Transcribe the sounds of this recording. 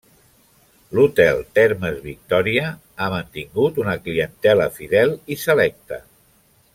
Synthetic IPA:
lut̪ɛlˠt̪ɛɾməzβik̚t̪ɔɾiə | amənt̪iŋɡut̪unəkliənt̪ɛləfiðɛlisəlɛk̚t̪ə

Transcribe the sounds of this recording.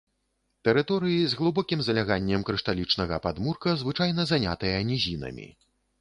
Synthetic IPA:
t̪ɛɾɨt̪ɔɾɨjizɣlˠubɔkʲimzɐlʲaɣanʲːɛmkɾɨʂt̪alʲit͡ʂnɐɣɐpad̪murkɐzvɨt͡ʂajnɐzanʲa̰t̪ɨjɐnʲizʲinɐ̰mʲḭ

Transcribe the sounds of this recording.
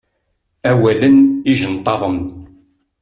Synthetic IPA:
æwæləniʒənt̪ˤːɑðˤəm

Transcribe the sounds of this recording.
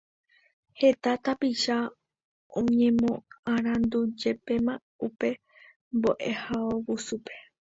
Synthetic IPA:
he̞t̪at̪apiʃa | õɲẽ̞mõãɾ̃ãnd̪ud͡ʒe̞pe̞mã | upe̞ | mboʔehaowusupe̞

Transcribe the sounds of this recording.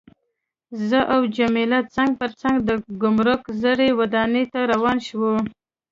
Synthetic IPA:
zəʔawd͡ʒamelat͡saŋɡ̚p̪əɾt͡saŋɡd̪əɡʊmɾʊkzəɽewad̪ɑnet̪aɾawɑnʃwə

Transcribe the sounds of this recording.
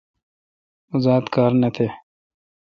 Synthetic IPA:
uzaːd̪kaːɾnɐt̪ʰeː

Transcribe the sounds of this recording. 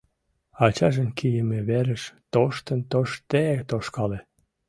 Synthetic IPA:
ɑt͡ɕɑʒənkʰijəmeβeɾəʃt̪oʃt̪ənt̪oʃt̪et̪oʃkɑle

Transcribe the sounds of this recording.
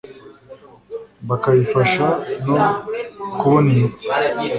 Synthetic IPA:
bakaifaʃanokoni

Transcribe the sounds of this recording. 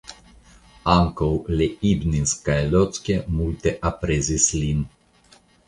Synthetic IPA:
aŋkowleibninskalʲot̪t͡s̪kʲemulʲt̪eʔapɾezislin

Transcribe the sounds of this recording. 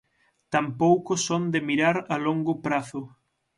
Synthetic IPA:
t̪ampowkʊsond̪ɪmiɾaɾaloŋɡʊpɾaθʊ

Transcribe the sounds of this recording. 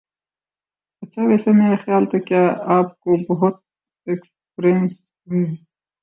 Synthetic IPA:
ɐt͡ʃʰaʋeːsemeːɾaxjaːlt̪ʰekjaːaːp̚kobɐɦʊt̪̚ | eks | pɾens | ũ

